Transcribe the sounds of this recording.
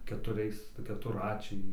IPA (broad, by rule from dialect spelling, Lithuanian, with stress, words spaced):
kʲɛtʊˈrʲɛɪs kʲɛtʊrˈrɑːt͡ʃʲɛɪ